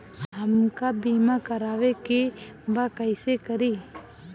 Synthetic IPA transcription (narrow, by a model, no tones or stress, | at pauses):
ɦəmkabiːmakəɾaːʋeki | ʋakəɪsekəɾiː